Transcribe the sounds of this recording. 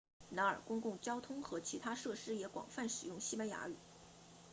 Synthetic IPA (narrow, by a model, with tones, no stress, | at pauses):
na˧˥ə̰˞˨˩kʊ˥ŋkʊ˥˩ŋt͡ɕjɑ˥ʊt̪ʰʊ˥ŋxɤ˧˥t͡ɕʰi˧˥t̪ʰa˥ʂɤ˥˩ʂɻ̩˥jɛ˧˥kwɑ̰˨˩ŋfa˥˩nʂɻ̩˨˩jʊ˥˩ŋɕi˥ma˧˥ɪja̰˧˥y̰˨˩˦